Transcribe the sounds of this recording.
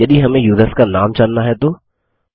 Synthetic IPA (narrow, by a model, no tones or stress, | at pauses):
jɐd̪iɦɐmẽjuːd̪əskanaːmt͡ʃaːnːaɦɛt̪oː